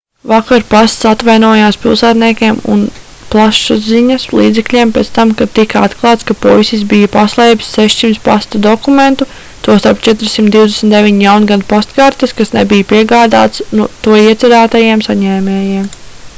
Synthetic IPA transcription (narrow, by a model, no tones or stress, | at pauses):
vakaɾpast̪sat̪ʋajnuɔjaːspilˠsaːt̪niɛkʲeɛmṵn | plˠaʃuziɲɐslˠiːd̪zɛklʲiɛmpɛːt̪st̪amkat̪ikaat̪klˠɑːt̪skapɔisis̬bijɐpaslˠɛjbssɛʃsimt̪spast̪ud̪ɔkument̪u | t̪uɔst̪aɾp̚t͡ʃɛt̪ɾsimt̪d̪iwd̪esmnt̪d̪evʲiɲjawnɡad̪past̪kaːɾt̪eskasnebijpiɛɡaːd̪a̰ːt̪snut̪uɔiɛt̪sʲɛɾaːt̪ajiɛmsaɲɛːmʲɛːjiɛm